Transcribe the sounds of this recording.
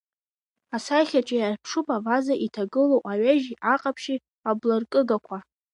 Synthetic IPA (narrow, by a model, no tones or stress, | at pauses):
asaχʲat͡ʃʼajarpʰʂɨpʼavazaʔitʰaɡɨlowʔaɥaʒiʔaqʼapʰʃi | ablarkʼɨɡakʷʰa